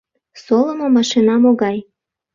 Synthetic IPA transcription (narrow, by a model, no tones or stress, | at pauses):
soləmomɑʃinɑmoɣɑj